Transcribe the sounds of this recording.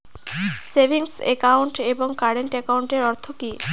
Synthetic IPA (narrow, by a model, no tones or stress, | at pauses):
sebʱiŋsḛkawɳʈeboŋkaɽeɳʈekawɳʈeɾɔɾt̪ʰoki